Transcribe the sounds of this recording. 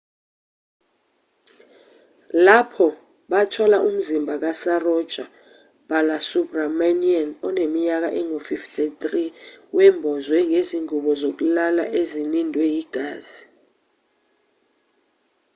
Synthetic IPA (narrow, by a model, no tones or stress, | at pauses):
lapʰɔ | ɓatʰɔlaʔum̩zimbʱak̬asarɔd̥t͡ʃʼa | b̥alasupramanianɔnemiɲak̬a̰ʔɛŋofiftʰʼitriwɛmbʱɔzwɛŋʱeziŋuɓɔzok̬ulala̰ʔezinindʱwɛjiɡ̥ʱaːz̥i